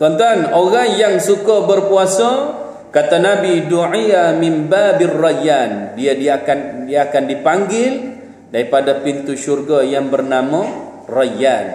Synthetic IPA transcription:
t̪ɔnt̪uanoɣaŋjaŋsukəbərpuasə | kat̪anabiduʕijamɪnbabarajandiadiakandiaakandipaŋɡɪl | daɾipadapint̪uʃurɡajaŋbərnamə | rajan

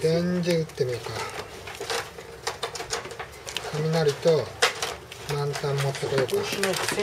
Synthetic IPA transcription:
dẽɲd͡ʑeɯt̪ːemʲika | kʰamʲinaɾɯt̪o | mãnt̪ãmːat̪ːakɯjokɯ

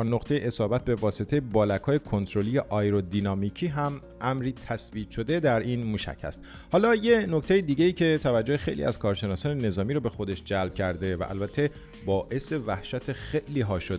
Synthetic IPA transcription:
noqt̪ʰejeʔesɒːbæt̪̚be̞vɒːse̞t̪ʰejebɒːlækʰhɒːjekʰo̞nt̪ʰɾo̞liːjeʔɒjɾod̪inɒːmiːcʰiːɦæm | ʔæmɾiːt̪ʰæsviːt̪ʃo̞d̪e̞d̪æɾiːnmuːʃæ̰cʰhæ̰st̪ | hɒːlɒːje̞nokt̪ʰe̞jed̪iːɟe̞iːcʰe̞t̪ʰævæd͡ʒːohexe̞jlḭʔæ̰zkʰɒːɾʃe̞nɒːsɒːnene̞zɒːmiːɾobe̞xo̞d̪e̞ʃd͡ʒælb̚cʰæɾd̪e̞væ̰ʔæ̰lbæt̪ʰːe̞ | bɒːʔe̞se̞væhʃæt̪ʰe̞xe̞ʔliːɦɒːʃod̪e

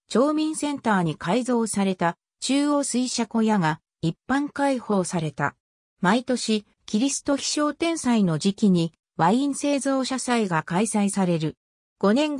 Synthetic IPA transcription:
t͡ɕo̞ːmʲĩɰ̃sẽ̞nt̪aːɲ̟ikaizo̞ːsaɾe̞t̪a | t͡ɕɨːo̞ːsɨiɕako̞jaɡa | ipːãŋkaiho̞ːsaɾe̞t̪a̰ | mait̪o̞ɕi | kʲiɾʲisɨ̥t̪o̞çʲi̥ɕo̞ːt̪ẽ̞ɰ̃saino̞d͡ʑikʲiɲ̟i | βaĩñse̞ːzo̞ːɕasaiɡakaisaisaɾe̞ɾɯ̟ | ɡ̥o̞nẽ̞ŋ

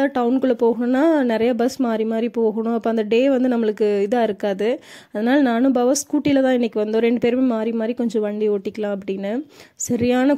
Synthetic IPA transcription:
aːʈɐʊnkɯɭːɐpoːɣɐɳʊ̃nːaːnɪɾɐjɐbɐsmaːd̪ɾimaːd̪ɾipoːɣɐɳʊ̃ɐpːoːɐnd̪ɐɖeːʋɐnd̪ɯnɐmːɐɭɯkːɯɪðaːɪɾɯkːaːðɯ | ɐðɐnaːlɐnaːnɯbaːʋɐskuːʈːɪlɐt̪ãːɪnːɛkːɯʋɐnd̪oːɾɛɳɖɯpeːɾmeːmaːd̪ɾimaːd̪ɾikɔɲd͡ʒɔ̃ʋɐɳɖioːʈːɪkːɐlãːɐp̬ːɐɽɪnːɐsɐɾɪjaːnɐ

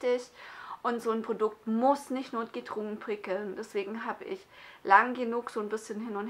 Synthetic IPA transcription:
tɪçʔʊntz̥oːnpʁ̥odʊk̚tmʊsnɪçtnoːt̚ɡ̥ətʁ̥uŋnpʁ̥ɪkl̩nd̥ɛsv̥eːɡŋ̩ɦaːbəʔɪçlaŋɡənuːkz̥oːnbɪsçənɦɪnʊnt

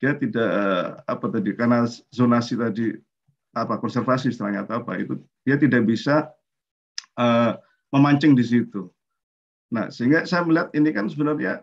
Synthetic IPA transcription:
d̥iat̪idaʔəa̰pat̪adikarnazonasit̪adi | apakɔnsɛrfasist̪əɾaɲat̪apa̰ḭt̪u | d̥iat̪idak̚bisa | əː | məmaɲt͡ʃɪŋdis̬it̪u | na̰hsəɦiŋɡasajaməliɦat̪̚inikansəbənʊrɲa̰

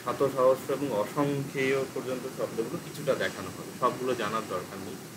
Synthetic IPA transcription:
ʃat̪ʰoʃɔɦoʃːoeboŋɔʃoŋkʰeopɔɾd͡ʑont̪oʃɔb̚d̪oɡulokit͡ɕʰuʈad̪ɛkʰanoɦɔbeʃɔb̚ɡulod͡ʑanaɾd̪ɔɾkaɾnij

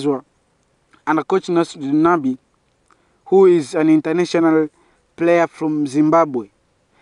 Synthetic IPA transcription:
zwa | ãnəkot͡ʃnasdnabi | huizãnĩntənaʃɔnal | pleəfɹɔ̃mzĩmbabwe

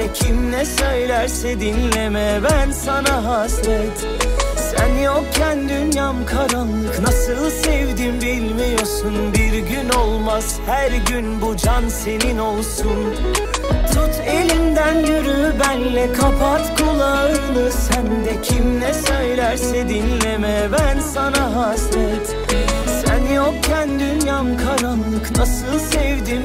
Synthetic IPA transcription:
ɛcʰimnɛsø̞jlʲæɾsɛd̪inlemɛbænsanaɦaːsɾɛt̪ | sænjok̚cʰːænd̪ynjamkʰaɾanlˠɯknasɯlˠsɛvd̪imbilʲmijosunbiɾɟyno̞lˠmaz̥hæɾɟynbud͡ʒanse̞nino̞lˠsun | t͡ʃʰut̪ʰe̞lʲind̪ænjyɾybænlʲɛkʰapʰat̪kʰulˠaɯnɯsænd̪ɛcʰimlɛsøjlʲæɾsɛd̪inlemɛbænsanaɦaːsɾɛt̪ | sænjokcʰænd̪ynjamkʰaɾanlˠɯknasɯlˠsɛvd̪im

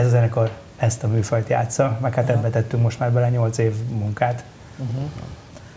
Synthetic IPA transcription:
ɛzɒzɛnɛkor | ɛst̪ɒmyːfɒjt̪ja̰ːt̪sɒmɛkhaːt̪ɛmbɛt̪ɛt̪ːyŋkmo̞ʃt̪maːrbɛlɛɲo̞lt̪seːvmuŋkaːt̪

